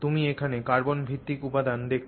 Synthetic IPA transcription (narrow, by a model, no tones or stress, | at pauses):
t̪umiekʰanekaɾbonbʱit̪ːikupad̪and̪ek̚ʰ